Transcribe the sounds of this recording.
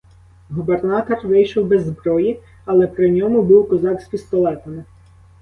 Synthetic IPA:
ɦubernɑt̪ɔrʋɪjʃɔwbɛzːbɾɔji | ɐlˠɛpɾɪnʲɔmʊbuwkɔzɑksʲpʲist̪ɔlˠɛt̪ɐnɪ

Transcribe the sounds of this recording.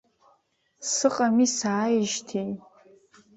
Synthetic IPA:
sɨqʼamisaːjɪʒtʰej

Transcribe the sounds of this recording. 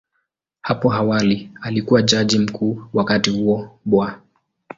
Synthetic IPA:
hapɔawalialikuwad͡ʒaʄim̩kʰuːwakatihuɔɓwɔa

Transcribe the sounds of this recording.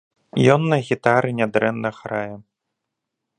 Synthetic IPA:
jɔnːɐɣʲit̪aɾɨnʲad̪ɾɛnːɐxɾajɛ

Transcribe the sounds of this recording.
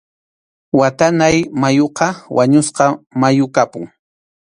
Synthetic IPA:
wat̪anajmajoqɑwʔaɲʊsqɑmajʊkapʊŋ

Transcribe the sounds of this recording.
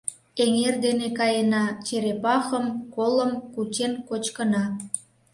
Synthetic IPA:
eŋerd̪enekɑjenɑt͡ɕeɾepɑxəmkoləmkut͡ɕenkot͡ɕkənɑ

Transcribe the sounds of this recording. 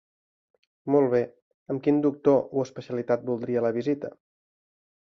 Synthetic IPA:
molˠβ̞e | əmkind̪uk̚t̪oʔuəspəsiəlit̪at̪̚bulˠd̪ɾiələβ̞izit̪ə̰

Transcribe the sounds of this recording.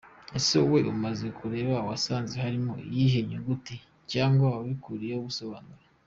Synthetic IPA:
esowe̞ʔumaze̞kʰuɾe̞ːβawasaːnzehaɾimoḭjiɦeɲuŋɡuti | caːŋɡwaaβikuɾijeuβuso̞βaːnuɾa

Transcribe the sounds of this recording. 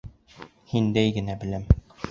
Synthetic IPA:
hind̪æjɡɘ̆næbɘ̆læm

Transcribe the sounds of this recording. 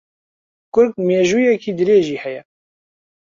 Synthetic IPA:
kʊɾkmeːʒuːjɛkiːd̪ɨɾeːʒiːhɛjɛ

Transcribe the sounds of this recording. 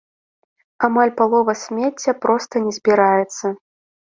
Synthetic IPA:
amalʲpalˠɔvɐsʲmʲet͡sʲːɐpɾɔst̪ɐnʲɛzʲbʲiɾajɛt̪sːɐ

